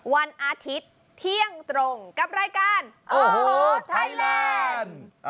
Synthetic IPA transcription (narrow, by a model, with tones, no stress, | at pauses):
wa˧nʔaː˧t̪ʰi˦˥t̪ʰːi˥˩əŋt̪ɾo˧ŋka˨˩p̚ɾaː˧jkaː˧˥nʔoː˧ɦo˧t̪ʰa˧˩laː˧n